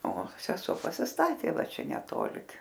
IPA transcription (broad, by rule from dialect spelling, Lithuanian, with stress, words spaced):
oː sʲɛˈsoː pɐsʲɪsˈtɑːtʲeː ˈʋɐ ˈt͡ʃʲɛ nʲɛˈtoːlʲɪ